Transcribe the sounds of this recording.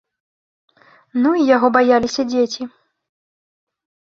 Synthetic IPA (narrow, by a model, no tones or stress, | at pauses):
nuijaɣɔbajalʲisʲɐd͡zʲet͡sʲi